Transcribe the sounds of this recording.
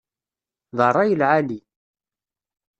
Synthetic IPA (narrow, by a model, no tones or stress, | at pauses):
ðərˤːɑjəlʕali